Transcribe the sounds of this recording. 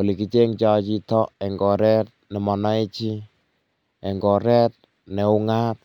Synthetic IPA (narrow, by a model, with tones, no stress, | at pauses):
o˨li˨kit͡ʃe˦ŋt͡ʃa˧t͡ʃi˦tɔ˦ɛ˨ŋɡɔ˨ɾɛt̚nɛ˨mɔ˨na˦e˦t͡ʃi˦ | ɛ˨ŋɡɔ˨ɾɛt̚ | nɛ˨u˦ŋa˦t̚